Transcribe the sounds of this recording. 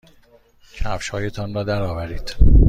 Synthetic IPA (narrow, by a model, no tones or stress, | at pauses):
cʰæfʃhɒːje̞t̪ʰɒːnrɒːd̪æɾɒːvæɾiːd̪̥